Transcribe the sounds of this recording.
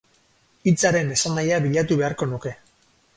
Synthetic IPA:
it͡saɾe̞ne̞sandajaβiʎat̪uβe̞aɾko̞nuke̞

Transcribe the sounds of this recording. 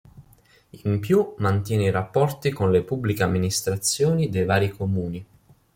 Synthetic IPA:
impjumant̪jɛːneiɾapːɔrt̪ikonlepubːlikeamːinist̪ɾat̪sːjoːnid̪ejvaːɾikomuːni

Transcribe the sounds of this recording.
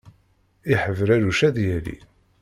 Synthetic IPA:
iħəvɾæɾuʃæðjælḭ

